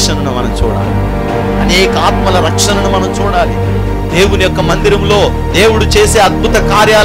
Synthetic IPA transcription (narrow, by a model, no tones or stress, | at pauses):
ʂɐnɐnumɐnɐmt͡ʃṵːɽa̰ːli | ɐneːkɐaːt̪mɐlɐɾɐkʂɐnɐnumɐnɐmt͡ʃuːɽaːli | d̪e̞ːwunijɔkːɐmɐnd̪iɾɐmlo̞ː | d̪e̞ːwuɽut͡ʃe̞ːse̞ːɐd̪̚bʱut̪ɐkaːɾjaː